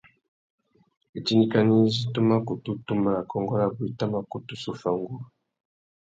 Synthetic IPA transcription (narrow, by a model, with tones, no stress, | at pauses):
e˨ti˦ni˦ka˦ni˦zi˦tu˦ma˦ko˨tu˦tu˦ma˦˨la˨kɔ˦ŋɡɔ˦la˦bu˨i˨ta˦ma˦ko˨tu˦su˨fa˨ŋɡu˦˨